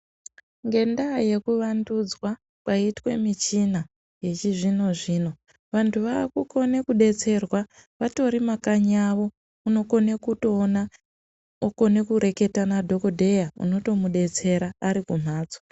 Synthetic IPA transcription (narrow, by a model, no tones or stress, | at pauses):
ŋɡe̞ndaje̞kuʋandud͡zwa | kwaitwe̞̰mit͡ʃina | je̞t͡ʃiʐino̞ʐiːno̞ | ʋantʰuʋakuko̞ne̞kuɗe̞t͡se̞rwaʋato̞ɾimakaɲaʋo̞ | uno̞ko̞ne̞kutoːna | oko̞ne̞kuɾe̞ke̞tanadʱo̞ko̞dʱe̞jaṵno̞to̞muɗe̞t͡se̞ɾaːɾikum̤aːd͡zo̥